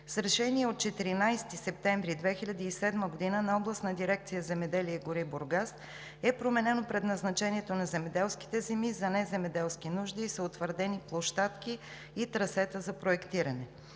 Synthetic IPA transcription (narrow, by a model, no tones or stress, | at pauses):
sɾɛʃɛniɛot̪̚t͡ʃɛt̪iɾinajst̪isɛp̚t̪ɛɱvɾid̪vɛxiʎʲɐd̪iːsɛd̪məɡod̪inənɐɔblˠəst̪nɐd̪iɾɛk̚t̪sijəzɛmɛd̪ɛliɛɡoɾiboɾɡas | ɛpɾomɛnɛnopɾɛd̪nɐznɐt͡ʃɛniɛt̪onɐzɛmɛd̪ɛlˠski̥t̪ɛzɛmizɐnɛzɛmɛd̪ɛlˠskinuʒd̪isəot̪vəɾd̪ɛniplˠoʃt̪at̪kiː | t̪ɾɐsɛt̪əzɐpɾoɛkt̪iɾɐnɛ